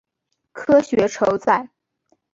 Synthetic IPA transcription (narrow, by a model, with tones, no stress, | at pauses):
kʰɤ˥ɕɥɛ˧˥ʈ͡ʂʰo˧˥ʊt͡sa˥˩ɪ